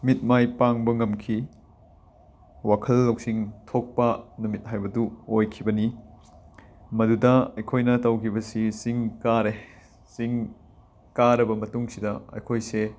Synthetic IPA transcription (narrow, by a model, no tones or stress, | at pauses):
mit̚majpaŋbɐŋɐmkʰi | wakʰɐlːɐwsiŋtʰok̚pɐnumit̚ɦajbɐduojkʰibɐni | mɐdudɐɐjkʰojnɐtɐwkʰibɐsisiŋkaɾe | siŋ | kaɾɐbɐmɐtuŋsidɐɐ̰jkʰojse